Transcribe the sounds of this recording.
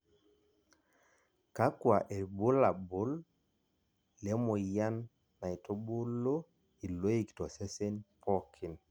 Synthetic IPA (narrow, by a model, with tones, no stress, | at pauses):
ka˦kwa˨ʔe˨bʊ˦la˨bʊ˦l | lɛ˨˦mɔ˨ja˦nː | a˨i˨to˦bʊ˦lo˦ | i˨lo˦i˦˨ktɔ˨se˦se˦npʰɔ˦kʰɪ˨n